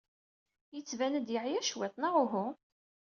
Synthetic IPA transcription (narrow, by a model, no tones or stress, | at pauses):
jət͡sːvænəd̪jəʕjæʃwet̪ˤnaʁʊɦu